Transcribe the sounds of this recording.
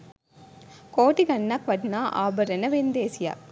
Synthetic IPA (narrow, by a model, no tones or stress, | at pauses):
koːʈikɐnːakʋɐʈnaːʔa̰ːbɐɾɐnɐʋend̪eːsɪja̰ː